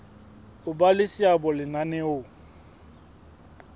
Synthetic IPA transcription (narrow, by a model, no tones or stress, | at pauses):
ʊbalɪsiabɔlɪnanɛo